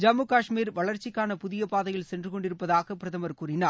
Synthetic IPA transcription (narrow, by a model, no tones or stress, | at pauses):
d͡ʒɐmɯkaːʂmiːɾʋɐɭɐɾt͡ʃɪkːaːnɐpʊðɪjɐpaːðɐjɐlɭsɛndrɯkɔɳɖɪɾɯpːɐðaːɣɐpɪɾɐðɐmɐɾkuːɾɪnaː